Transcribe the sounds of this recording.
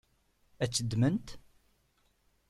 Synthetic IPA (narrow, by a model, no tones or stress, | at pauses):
æt͡sːəd̪ːmənt̪